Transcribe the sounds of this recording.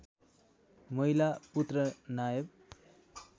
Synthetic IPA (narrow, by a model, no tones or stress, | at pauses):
mʌɦilaput̪rʌnajʌb̚